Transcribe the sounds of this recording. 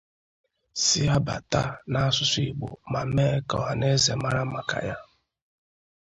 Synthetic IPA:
si˦ja˦ba̰˨ta̰˦na˦a˦sʊ˦sʊ˦i˨ɡ͡bo̰˨ma˨me˦kɔ̰˨a˨ne˦ze˨ma˦ɾa˦ma˨ka̰˨ja˦

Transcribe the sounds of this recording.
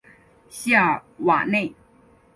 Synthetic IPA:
ɕja˥˩wa̰˨˩ne˥˩ɪ

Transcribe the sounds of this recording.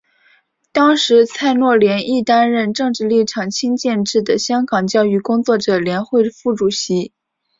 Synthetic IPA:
t̪ɑ˥ŋʂɻ̩˧˥t͡sʰa˥˧ɪnwɔ˥˩ljɛ˧˥ni˥˩t̪a˥nɻə˥˧nʈ͡ʂɤ˥˧ŋʈ͡ʂɻ̩˥˧li˥˩ʈ͡ʂʰɑ˨˩ŋt͡ɕʰi˥ŋt͡ɕjɛ˥˧nʈ͡ʂɻ̩˥˩d̪ə˩ɕjɑ˥ŋkɑ˨˩ŋt͡ɕjɑ˥ʊy˥˩kʊ˥ŋt͡swɔ˥˩ʈ͡ʂɤ˨˩ljɛ˧˥nxwe˥˧ɪfu˥˩ʈ͡ʂu˨˩ɕi˧˥

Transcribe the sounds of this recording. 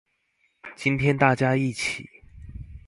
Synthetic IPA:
t͡ɕi˦nt̪ʰjɛ˥nt̪a˥˩t͡ɕja˦i˥˩t͡ɕʰḭ˨˩˦

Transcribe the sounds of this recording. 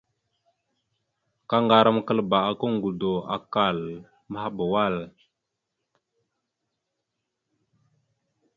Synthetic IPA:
ka˦ŋɡa˨ɾa˦mkə˦lba˨a˨kə˦ŋ˨ɡu˨do˨a̰˨ka˨l | mə˦ha˦bə˨wa˦˨l

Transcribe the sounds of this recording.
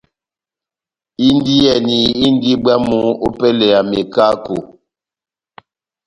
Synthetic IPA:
i˦n˦di˦jɛ˨ni˨i˦n˦di˦bwa˦mu˦o˦pɛ˦lɛ˨a˨me˨ka˦ko˨

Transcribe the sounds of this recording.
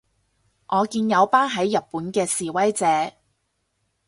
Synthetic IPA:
ŋʔɔː˨˧kiː˧njɐ˨˧wpaː˥nɦɐ˨˥jːɐ˨t̚pːuː˨˥nkɛː˧siː˨wɐ˥jt͡sɛː˨˥

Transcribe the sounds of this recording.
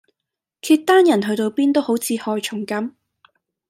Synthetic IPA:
kʰiː˧t̚t̪aː˥njɐ˨˩nɦɵ˧t̪o˧wpiː˥nt̪o˥who˨˥wt͡sʰiː˨˧hɔː˧jt͡ʃʰʊ˨˩ŋkɐ˨˥m

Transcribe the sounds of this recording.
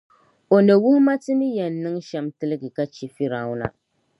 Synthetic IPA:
o˨nɛ˨wu˦hʊ˦ma˦tɨ˦mi˦jɛ˨nː˦ɨ˦ŋ˦ʃɛ˦mtɨ˦lɨ˦ɡɨ˨ka˦t͡ʃi˨fi˦ɾa˨˦˨wʊ˦na̰˦

